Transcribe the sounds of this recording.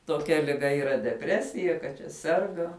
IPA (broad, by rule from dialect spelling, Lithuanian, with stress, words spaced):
toːˈkʲɛ lʲɪˈɡɐ iːˈrɐ dʲɛˈpʲrʲæːsʲɪjɛ kɐt t͡ʃʲɛ ˈsʲɛrɡɐ